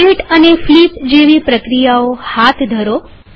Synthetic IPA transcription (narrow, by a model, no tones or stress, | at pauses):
eʈəneflipd͡ʒeʋipɾəkɾijaohat̪ʰd̪ʱəɾo